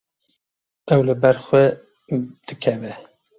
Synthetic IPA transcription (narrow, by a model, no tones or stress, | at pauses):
ɛwlɨbɛɾxwɛ | d̪̥ɨkʰɛvɛ